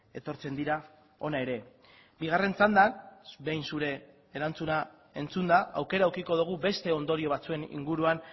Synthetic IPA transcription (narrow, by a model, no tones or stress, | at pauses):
e̞t̪o̞ɾt͡se̞nd̪iɾa | o̞nae̞ɾe̞ | biɣ̞are̞nt͡sand̪anbe̞jnsuɾe̞ː | ɾant͡suna | e̞nt͡sund̪aʔawke̞ɾauɾkiko̞ðuɣ̞ube̞st̪e̞o̞nd̪o̞ɾio̞βat͡sue̞nḭŋɡuɾuan